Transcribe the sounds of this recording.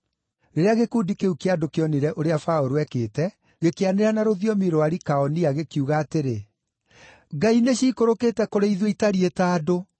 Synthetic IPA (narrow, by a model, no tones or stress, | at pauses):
ɾeɾeaɣekuːdikeukeadokeɔneɾɛʔoɾeafaoɾoɛkeːtɛ | ɣekeaneɾanaɾoðiɔmiɾoaɾikaɔniaɣekiuɣaːteɾe | ɡaineɕiːkoɾoketɛkoɾeiðweitaɾietaːdo